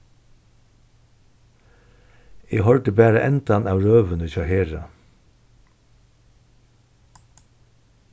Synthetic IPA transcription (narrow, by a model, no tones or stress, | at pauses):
eːhɔlʈ̪əbæːɾəʔɛnt̪ɑnɑːʋɹøːʋənəçɑheːɹɑ̰